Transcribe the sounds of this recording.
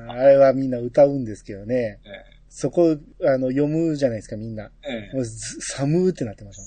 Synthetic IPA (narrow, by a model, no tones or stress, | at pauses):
aɾe̞βamʲĩnːaɯ̟t̪aɯ̟̃nd̪e̞sɨ̥ke̞d̪o̞ne̞ | so̞ko̞ano̞jo̞mɯ̟ʑanaisɨ̥kamʲĩnːamozsamɯ̟ːt̪ːenat̪ːe̞mas